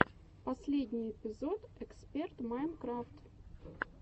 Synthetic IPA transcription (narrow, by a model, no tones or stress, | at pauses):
pɐsʲlʲedʲnʲɪjɪpʲɪzo̞t̪ɛkspʲert̪majnkɾaft̪